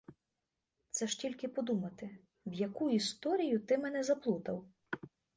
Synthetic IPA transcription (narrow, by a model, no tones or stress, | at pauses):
t̪sɛʒtʲilʲkɪpɔd̪umɐt̪ɪ | wjɐkuist̪ɔɾʲijʊt̪ɪmɛnɛzɐplˠut̪ɐw